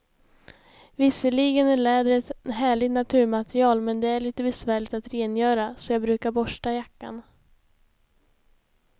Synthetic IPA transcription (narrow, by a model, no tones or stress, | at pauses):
vɪsːəɭiɡənæɭɛːd̪ɾɛt̪ɦæːɭɪɡ̚t̪nat̪ʰʉ̟ːɾmat̪ɾɪɑːlmɛnd̪ɛæɭiːt̪əbɛsvæːɭɪt̪at̪ɾeːnjœːɾasɔjɑːɡbɾʉ̟ːkaɾbɔʂʈajakːa̰n